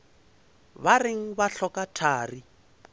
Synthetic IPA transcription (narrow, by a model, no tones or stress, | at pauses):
barɪŋ̩baɬɔkatʰaːri